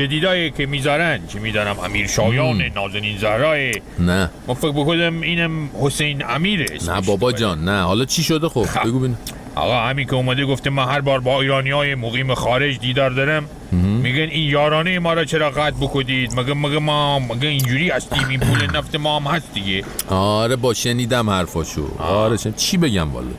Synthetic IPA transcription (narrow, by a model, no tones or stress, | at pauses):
t͡ʃed̪iːd̪ɒːjekʰemiːzɒːɾænkʰemiːd̪ɒːnæmæ̰miːɾʃɑːjɑːnenɒːzæniːnzæhɾɒːe | næmæfekbekod̪æmiːnæmhosejnæmiːɾesnæ̰ʃbɒbɒːd͡ʒɒːnːæhɒ̰ːlɒt͡ʃʰiʃod̪exobbeɡubin | hɒ̰ɣɑːhæmiŋkʰʲeuːmæd̪eɡoft̪emænhæɾbɒːɾbɒːiːɾɑːnijɒːjemoɣiːmexɒːɾed͡ʒd̪iːd̪ɒːɾd̪ɒɾæmː | iːɡeninjɒːɾɒːnejemɒːɾɒːt͡ʃʰeɾɒːɣæt̪̚bokʰod̪iːd̪mæɡemːæɡemːɒːæɡeind͡ʒuːɾiːhæst̪iːminpʰuːlenæft̪emɒːæmhæst̪̚d̪iɡeɒɾebɒːʃeniːd̪æmhæɾfɒːʃo̰ɒɾeʃet͡ʃʰiːbeɡæmvɒ̰lɔ̰